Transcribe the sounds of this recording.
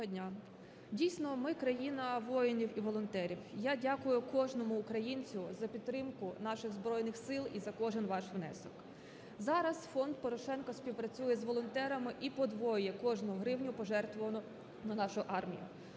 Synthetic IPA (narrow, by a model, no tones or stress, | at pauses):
dʲnʲa | dʲijsʲnɔmɪkɾɐjinɐʋɔjɪnʲiwiʋɔlˠɔnt̪ɛɾʲiwjadʲakʊjʊkɔʒnɔmʊːkɾɐjinʲt͡sʲʊzɐpʲid̪t̪ːɾɪmkʊnɑʃɪɣzbɾɔjnɪxsɪlˠizɐkɔʒɪnʋɑʃʋnɛ̰sɔk | zɑɾɐsfɔnd̪̚pɔɾɔʃɛnkɔspʲiwpɾɐt͡sʲujɛzʋɔlˠɔnt̪ɛɾɐmɪʔipɔd̪ʋɔjʊjɛkɔʒnʊɦʊɦɾɪwnʲʊpɔʒɛrt̪ʋɔʋɐnʊ | nɐnɑʃʊʔɑrmʲḭjʊ̰